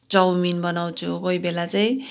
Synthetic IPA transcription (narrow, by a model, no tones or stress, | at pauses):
d͡zʌwminbʌnaw̃t͡sʰukʌibelat͡saĩ